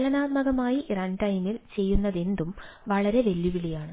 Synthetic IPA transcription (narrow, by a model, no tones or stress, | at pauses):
lɐnaːt̪mɐɣɐmaːjirɐɳʈɐjmilt͡ɕe̞jːunːɐðe̞nd̪umʋɐɭɐɾe̞ʋe̞ljuʋiɭijaːɳɨ